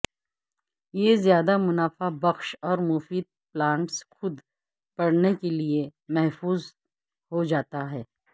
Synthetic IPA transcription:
jezjaːd̪amʊnaːfabɐxʃɔːɾmʊfiːd̪̚plãːɳʈsxʊd̪ | pɐɽnekeliemɛɦfuːz | hod͡ʒaːt̪aɦɛː

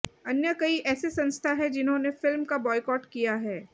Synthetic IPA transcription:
ɐnjəkɐiʔɛːsesɐ̃nst̪ʰaɦɛd͡ʒɪnɦõnefɪlmkabɔːɪkɔːʈkijaɦɛː

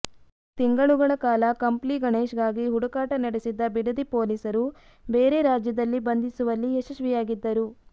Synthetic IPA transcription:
t̪iŋɡɐɭuɡɐɭɐkaːlɐkɐmpliɡɐɳeːʃɡaːɡiɦuɽukaːʈɐnɐɽesid̪ːɐbiɽɐd̪ipoːlisɐɾu | be̞ːɾeɾaːd͡ʒjɐd̪ɐlːibɐnd̪isuʋɐlːieʃɐʃʋijaːɡid̪ːɐɾu

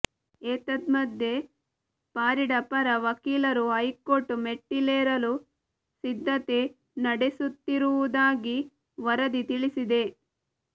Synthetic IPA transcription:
eːt̪ɐd̪mɐd̪ːe̞ | paːɾiɽɐpɐɾɐʋɐkiːlɐɾuɦɐjkoʈumeʈːileːɾɐlu | sid̪ʱːɐt̪e̞ | nɐɽesut̪ːiɾuʋud̪aːɡi | ʋɐɾɐd̪it̪iɭisid̪e̞

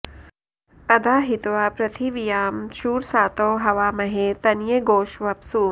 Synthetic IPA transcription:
ɐd̪aːɦit̪ʋaːpɾɐt̪ʰiʋijaːmʃuːɾsaːt̪oːɦɐʋaːmɐɦet̪ɐnjeɡoːʃʋɐpsuː

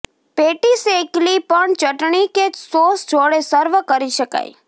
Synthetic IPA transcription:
peʈiseklipəɳt͡ʃəʈɳikesosd͡ʒʱoɽesəɾʋəkəɾiʃəka̰j

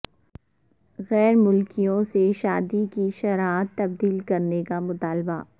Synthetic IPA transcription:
ɣɛːɾmʊlkijõseʃaːd̪ikiʃɐɾaːət̪ːɐb̚d̪iːlkɐɾnekamʊt̪aːlba̰

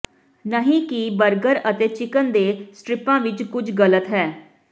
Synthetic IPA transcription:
nəɦĩːkibəɾɡəɾət̪eːt͡ʃɪkənd̪eːsʈɾɪpãːʋɪt͡ʃkʊd͡ʒɡələt̪ɦɛː

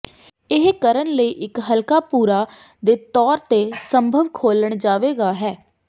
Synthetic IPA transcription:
ɪɦkəɾənləiːʔɪkɦəlkaːpuːɾaː | d̪eːt̪ɔːɾt̪eːsəmbʱəʋkʰoːləɳd͡ʒaːʋeːɡaːɦɛː

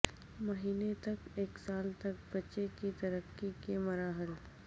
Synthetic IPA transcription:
mɐɦiːnet̪ɐkeːksaːlt̪ɐk̚bɐtːʃekit̪ɐɾəkːikemɐɾaːɦəɾ

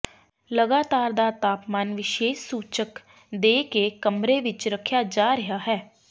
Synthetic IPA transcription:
ləɡaːt̪aːɾd̪aːt̪aːpmaːnʋɪʃeːʃsuːt͡ʃək | d̪eːkeːkəmɾeːʋɪt͡ʃɾəkʰjaːd͡ʒaːɾəɦaːɦɛː

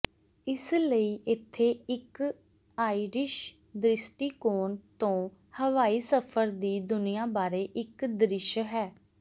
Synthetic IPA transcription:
ɪsləiːʔɪt̪ʰːeːɪk | aːiːɾɪʃ | d̪ɾɪsʈiːkoːnt̪õː | həʋaːiːsəpʰəɾd̪iːd̪ʊnɪijãːbaːɾeːʔɪkd̪ɾɪʃɦɛː

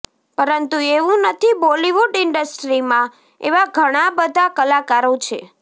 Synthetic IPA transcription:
pəɾənt̪ueʋũnət̪ʰiboliʋuɖɪɳɖəsʈɾimã | ḛʋaɡʱəɽ̃abəd̪ʱakəlakaɾot͡ʃʰe

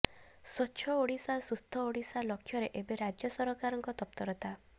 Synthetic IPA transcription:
swɔt͡ʃʰɔoɽisasust̪ʰɔoɽisalɔkʰːjɔɾeʔebeɾad͡ʒjɔsɔɾɔkaɾɔŋkɔt̪ɔp̚t̪ɔɾɔt̪a

